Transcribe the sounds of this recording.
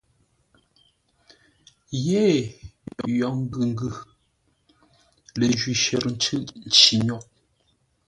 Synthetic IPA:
jeː˦˨jɔ˨jɔ˨ŋ̩˦ɡʉ˨ŋ˦ɡʉ˨ | le˨ʒɥi˨ʃɛ˨ɾn̩˦t͡ʃʉ˦ʔn̩˨t͡ʃi˨ɲɔ˦˨ʔ̚

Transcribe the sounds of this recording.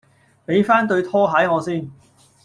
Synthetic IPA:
pe˨˥jfaː˥nt̪ɵ˧ɥt̪ʰɔː˥ɦɐ˨˥jŋɔː˨˧siː˥n

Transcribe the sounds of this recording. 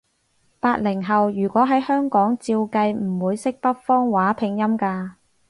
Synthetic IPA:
paː˧t̚lɪ˨˩ŋɦɐ˨wjyː˨˩kʷɔː˨˥ɦɐ˨˥jhœː˥ŋkɔː˨˥ŋt͡siː˧wkɐ˧jm̩˨˩wuː˨˧jsɪ˥k̚pɐ˥t̚fɔː˥ŋwaː˨˥pʰɪ˨ŋjɐ˥mkaː˧

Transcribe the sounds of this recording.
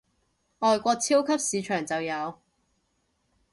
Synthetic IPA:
ʔɔː˨jkʷɔː˧k̚t͡sʰiː˥wkʰɐ˥p̚siː˨˧t͡ʃʰœː˨˩ŋt͡sɐ˨wjɐ˨˧w

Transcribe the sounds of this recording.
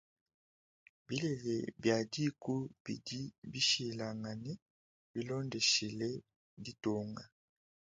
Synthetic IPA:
bi˦lɛ˨lɛ˨bja˨di˦ku˦bi˨di˦bi˦ʃi˨la˨ŋa˨nɛ˦ | bi˦lɔ˦ndɛ˨ʃi˨lɛ˦ | di˦tɔ˨ŋɡa˨

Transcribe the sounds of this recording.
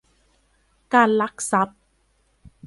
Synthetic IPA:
kaː˧nla˦˥k̚sa˨˦˥p̚

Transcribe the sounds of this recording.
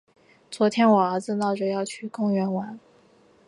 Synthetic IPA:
t͡swɔ˧˥t̪ʰjɛ˥nwɔ˨˩ə˞˧˥d͡zɹ̩˧nɑ˥˩ʊʈ͡ʂɤ˨˩jɑ˥˩ʊt͡ɕʰy˨˩kʊ˥˩ŋɥɛ˧˥nwa˧˥n

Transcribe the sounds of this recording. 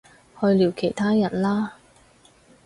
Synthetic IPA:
hɵ˧liː˨˩wkʰe˨˩jt̪ʰaː˥jɐ˨˩nlaː˥

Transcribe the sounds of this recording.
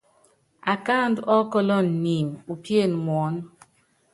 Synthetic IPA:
a˨ka˦˨ndɔ˦kɔ˦lɔ˦nːi˨mu˨pje˦˨nmwɔ˨˦n

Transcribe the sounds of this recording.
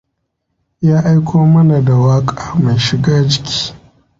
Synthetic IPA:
jaː˦ʔa˦jkʰʷoː˦mɐ˦na˨da˨waː˦kʼaː˨ma˨jʃɪ˨ɡaː˦d͡ʒɪ˦kʲʰi̥ː˦

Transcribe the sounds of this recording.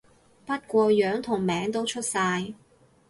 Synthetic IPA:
pɐ˥t̚kʷɔː˧jœː˨˥ŋt̪ʰʊ˨˩ŋmɛː˨˥ŋt̪o˥wt͡ʃʰɵ˥t̚saː˧j

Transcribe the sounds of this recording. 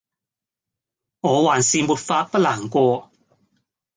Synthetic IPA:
ŋɔː˨˧waː˨˩nsiː˨mu˨t̚faː˧t̚pɐ˥laː˨˩ŋkʷɔː˧

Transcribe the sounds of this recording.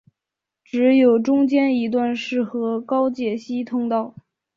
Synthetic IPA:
ʈ͡ʂɻ̩˧˥jo˨˩ʊʈ͡ʂʊ˥ŋt͡ɕjɛ˥ni˧˥t̪̬wa˥˧nʂɻ̩˥˩xɤ˧˥kɑ˥ʊt͡ɕjɛ˥˩ɕi˥t̪ʰʊ˥ŋt̪ɑ˥˩ʊ

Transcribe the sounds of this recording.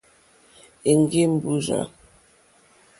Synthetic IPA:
e˨ŋ˨ɡe˦m̩˦˨bu˦za̰˨

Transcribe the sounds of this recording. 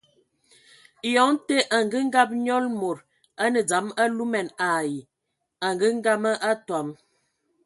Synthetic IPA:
jɔ˨˦ŋte˦ʔa˨ŋ˨ɡə˦ŋ̩˦ɡa˦p̬̚ɲɔ˦lmo˨ɾ | a˦nə˨d͡za˨˦ma˦lu˦mɛ˨na˨ji˨ | a˨ŋɡə˦ŋ̩˦ɡa˦mə˦ʔa˦twa˨˦m

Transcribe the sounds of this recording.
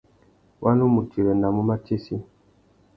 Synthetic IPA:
wʔa˦nu˦mu˨t͡ʃi˨ɾɛ˨na˨mu˦ma˦t͡ʃe˦si˦

